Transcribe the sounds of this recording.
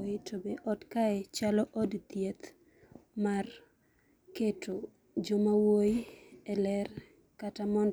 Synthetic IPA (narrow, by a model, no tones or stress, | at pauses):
ɪtʰobeʔɔtkaɛt͡ʃalɔʔɔdt̪jet̪ | mar | ketʰo | d͡ʒomawojiɛlɛr | katamɔnd